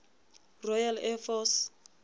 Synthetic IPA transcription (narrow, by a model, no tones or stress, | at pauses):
rɔjalɛfɔs